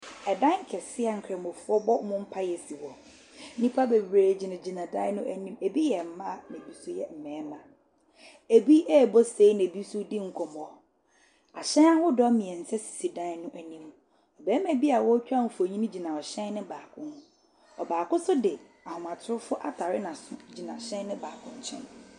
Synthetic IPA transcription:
ɛ˨dã˦ŋ̩˦kʰɛ˨sɪ˦a˨ŋ̩˨kʰɛ˨m˨ʊ˨fʊ˦ɔ˦bɔ˦mʊ̃˦m̩˦pʰa˦jɛ˨si˨wɔ˨˦ | nĩ˦pʰa˦be˨bɾeː˨d͡ʑi˨nã˨d͡ʑi˨nã˨dã˦nʊ̃˦ʔæ˨nĩ˦me˨bi˦jɛ˨m̩˨˦mã˦˨nɛ̃˨bi˦su˦jɛ˦m̩˨mɛ̃ː˨˦mã˨ | e˨bi˦ʔɛ˦˨bɔ˦se˨˦i˦næ̃˨bi˦su˦dɪ˦ŋ̩˨kʰɔ˨m˨ɔ˨ | a˨ɕɛ̃˦na˦wʊ˦dɔ˦mĩ˨ɛ˨n̩˨sɛ˦si̥˨si˨dã˦nʊ̃˦ʔæ˨nĩ˦m | ɔ˨bɛː˦mæ̃˨bi˦a˨wɔ˦t͡ɕᶣa˦n̩˨fo˨ɲĩ˦nʊ̃˦d͡ʑi˨nã˨ɔ˨ɕɛ̃˦nnɪ̃˦baː˨kʰʊ̃˦nhʊ̃˦ | ɔ˨baː˨kʊ̃˦sʊ˦dɪ˨ | a˨hʊ̃˨mã˨tʰʊ˦ɾʊ˦fʊ˦ʔa̰˨tʰa˨ɾɪ˦nã˨sʊ̃˦d͡ʑi˨nã˨ɕɛ̃˦nnɪ̃˦baː˨kʰʊ̃˦ɲ˦t͡ɕʰɛ̰̃˦n

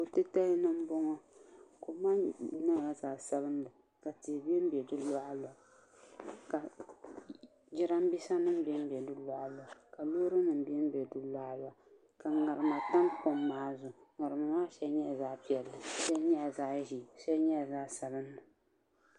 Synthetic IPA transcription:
ko˨tɨ˦ta˦li˦nɨ˦m˦bɔ˦ŋɔ˦ko˨ma˦na˦˨ba˨zaː˨sa˦bɨ˦n˦dɨ˨ | ka˨ti˨bi˦ɛ˦m̩˦bɛ˨dɨ˦lɔ˦ʔlɔ˨ | ka˨ | d͡ʒɪ˦ɾa˦m˦bi˦sa˦nɨ˦m˦bɛ˦m˦bɛ˨dɨ˦lɔ˦˨ʔa˨lɔ˨ka˨loː˦ɾɨ˦nɨ˨m˦bi˦ɛ˦m˦bɛ˨dɨ˦la˦la˨ | ka˨ŋa˨ɾɨ˨ma˨ta˦npʊ˦mːaː˨˦zʊ˨ŋa˨ɾɨ˨ma˨maː˦ʃɛ˦ɲɛ˦˨zaː˦pi˦ɛ˨lːɨ˨sa˦ɲɛ˦a˨zaː˦ʒi˨sɛ˦ɲɛ˦˨zaː˦sa˨bɨ˦n˦dɨ˨

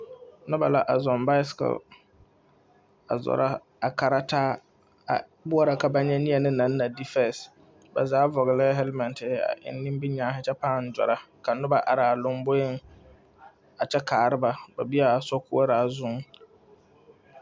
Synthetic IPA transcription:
nʊ̃˦ba˨la˦ʔa˨zɔ̃˨mba˦ɪ˦ska̰˨l | a̰˨zɔ̰˨ɾa˦ | a˨kʰa˨ɾa˦tʰaː˦ | a̰˨ | bʊ˦a˦ɾa˨ka˨ba˦ɲɛ̃˦nĩ˦ɛ˨nɪ̃˦nã˨˦nː˦ã˨di˦fɛ˦˨s | bɛ̰˨zaː˦vɔ˨ɣɪ˨lɛ˦ɦɛ˦lmɛ̃˨ntʰɪ˨˦a̰˨ʔɪ̰˨nː˦ĩ˦mbi˦ɲãː˨˦ɦɪ˦t͡ʃʰɛ˦pãː˦˨n̩˨d͡ʒɔ̰˨ɾa˦kʰa˨nʊ˦ba˨ʔa˨ɾa˨a˨lʊ̃˦mbo˦ɪ˦ŋ | a˨t͡ʃʰɛ˦kʰaː˨ɾɪ˦ba˨ba˨bi˦a˨sɔ˦kʰu˦a˦ɾa˨zʊ̃˦ŋ

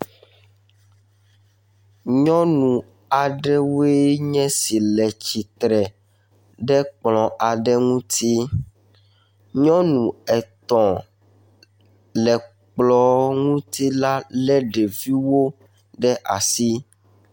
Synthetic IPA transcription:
ɲɔ̃˦nũ˨ | a˨ɖɛ˦we˦ɲɛ̃˦si˨lɛ˨t͡ɕi˨t̪ɾɛ˨ | ɖɛ˦k͡plɔ̃˨ʔa˨ɖɛ˦ŋũ˦t̪ʰi˦ | ɲɔ̃˦nũ˨ɛ˨t̪ɔ̃˨ | lɛ˨ | k͡plɔ˨ŋũ˦t̪i˦la˦lɛ˦ɖɛ˨vi˦wo˦ | ɖɛ˦ʔa̰˨si˦

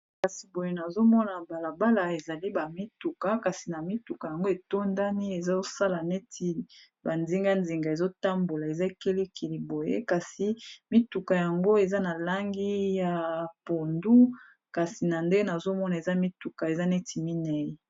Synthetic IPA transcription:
ka˨si˨bo˨je˦na˨zo˦mɔ˦na˨ba˨la˨ba˦la˨e˨za˨li˦ba˨mi˦tu˨ka˨ka˨si˨na˨mi˦tu˨ka˨ja˨ŋɡo˦e˨to˦nda˦ni˦e˨za˦o˦sa˦la˨ne˦tʰi˨ | ba˨nzi˦ŋɡa˦nzi˨ŋɡa˨e˨zo˦ta˦mbo˨la˨e˨za˦e˦˨ke˦le˦kʰi˨li˨bo˨jḛ˦ka˨si˨mi˦tu˨ka˨ja˨ŋɡo˦e˨za˦na˨la˦ŋɡi˦ja˨po˨ndu˦ | ka˨si˨na˨nde˦na˨zo˦mɔ˦na˨e˨za˦mi˦tu˨ka˨e˨za˦nɛ˦tʰi˨mi˦nɛ˨ji˦

